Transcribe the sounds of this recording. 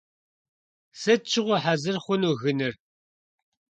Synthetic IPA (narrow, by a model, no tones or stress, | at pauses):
sɐt͡ʃʰʼːɪʁʷɔħazɨrχʷʊnuːɣɨnɨr